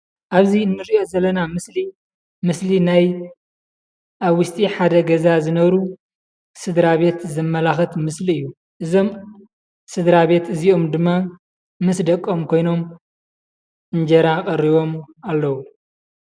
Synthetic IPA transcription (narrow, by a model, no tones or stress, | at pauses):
ʔaβziɨnːɨɾiʔo̞zɐlːɐnamɨsli | mɨslinaj | ʔaβːʊst̪ʼiħad̪ɐɡɐzazɨnɐβɾu | sɨd̪ɾaβe̞t̪zɐmːɐlaxɐt̪mɨsliɨjːu | ʔɨzo̞m | sɨd̪ɾaβe̞t̪ɨziʔo̞md̪ɨmːa | mɨsd̪ɐkʼːo̞mkʰo̞jno̞m | ʔɨnd͡ʒɐɾakʼɐɾiβo̞m | alːɐwu